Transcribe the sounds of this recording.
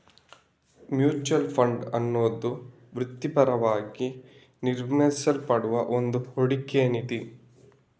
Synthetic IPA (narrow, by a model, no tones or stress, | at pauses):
mjuːt͡ʃuɐlpʰɐɳɖɐnːoːd̪u | ʋɾut̪ːipɐɾɐʋaːɡi | niɾmɐisɐlpɐɽuʋɐʔond̪uhoɽikːeɐnit̪i